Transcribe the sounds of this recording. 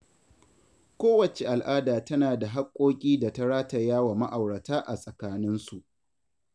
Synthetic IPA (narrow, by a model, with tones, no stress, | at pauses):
kʷoː˦wɐ˨t͡ʃe˨ʔa˨lʔaː˦daː˨tɐ˦naː˨da˨ɦa˦kʷʼːoː˦kʲʼiː˦da˨tɐ˦ɽaː˦ta˨jaː˦wa˨ma˦ʔa˨wɽɐ˨taː˦ʔa˨sʼɐ˨kaː˦nɪ˦nsu˨ʔ